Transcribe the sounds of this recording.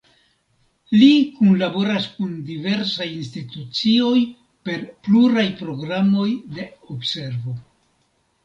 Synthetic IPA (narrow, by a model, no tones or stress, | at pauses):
likunlabo̞ɾaskundive̞ɾsajinstitut͡sio̞j | pe̞ɾpluɾajpɾo̞ɡɾamo̞jde̞obse̞ɾvo̞